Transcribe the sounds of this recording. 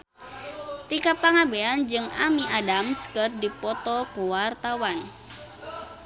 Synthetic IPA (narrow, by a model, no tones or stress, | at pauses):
t̪ikapaŋabeand͡ʒɨŋamiʔadamskɨrdipɔt̪ɔkuwart̪awan